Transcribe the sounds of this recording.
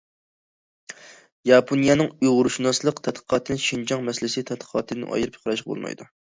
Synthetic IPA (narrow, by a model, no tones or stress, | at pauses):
jɑpʰonijɑnɨŋujʁʊɾuʃunɑslˠəqt̪ʰɛt̪̚qʰə̥qʰɑt̪ʰɨnɪʃind͡ʒɑŋmɛsɪlɪsɪt̪ʰɛt̪̚qʰə̥qʰɑːt̪ʰɨd̪ɨnʔɑ̰jɨɾɨpʰqʰɾɑʃqbo̰lˠmɑ̰jd̪u